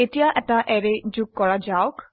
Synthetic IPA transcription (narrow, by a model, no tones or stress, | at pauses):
etijaʔɛʈaʔɛɾed͡ʒukːɔɭad͡ʒawk